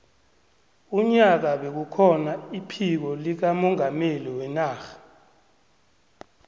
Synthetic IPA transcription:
uɲak̬aɓek̬ukʰɔnaipʰik̬ɔlik̬amɔŋameliwɛnaːxḁ

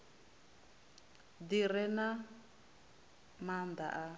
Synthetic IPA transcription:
d̪iɾɛna | mand̪a̰ʔa

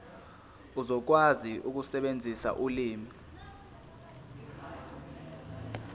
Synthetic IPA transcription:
uzɔk̬waziʔuk̬usɛɓend͡zʱisa̰ʔuliːmi

